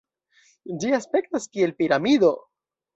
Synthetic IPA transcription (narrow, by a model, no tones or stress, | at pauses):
d͡ʒiaspe̞ktaskie̞lpiɾamid̪o̞